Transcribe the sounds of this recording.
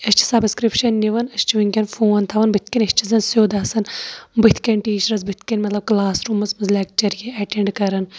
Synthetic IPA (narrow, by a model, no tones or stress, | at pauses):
ɐsʲt͡ʃʰi̥sɐbskɾipʃɐnːiʋɐnɐst͡ʃʰiʋiŋkʲɐnfoːnt̪ʰɐʋɐnbɨt̪̚ʰkɐnʲɐʃt͡ʃʰizɐnsoːd̪ɐsɐnbɨt̪ʰkɐnʲʈiːʃɐɾɐzbɨt̪ʰkɐnʲmɐt̪lɐb̚klaːsɾuːmɐsmɨzlʲak̚t͡ʃɐɾjeɐʈeɳɖkɐɾɐn